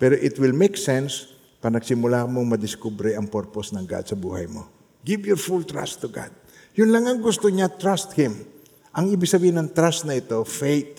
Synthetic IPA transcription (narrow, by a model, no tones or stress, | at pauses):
pɛɾoʔɪt̪wɪlmejksɛns | paɾɐnɐɡsɪmʊlakmoŋmɐd̪ɪskubɾɛʔɐŋpoɹposnɐŋɡa̰d̪sɐbuːhɐjmo̰ | ɡɪvjʊɹfult̪ɹa̰st̪ːʊɡa̰d̪̚ | jʊnlaŋɐŋɡʊst̪oɲat̪ɹast̪hɪm | ʔɐŋɪbɪɡ̚sɐbiːhɪnɐŋt̪ɾast̪nɐʔɪt̪o̞fejt̪̚